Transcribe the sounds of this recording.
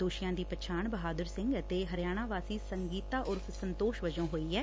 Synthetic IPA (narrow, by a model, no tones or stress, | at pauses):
d̪oːʃɪjãːd̪iːpət͡ʃʰaːɳbəɦaːd̪əɾsɪ̃ŋɡət̪eːɦəɾjaːɽ̃aːʋaːsiːsəŋɡiːt̪aːʔʊɾpsənt̪oːʃʋəd͡ʒõːɦoːiːɛː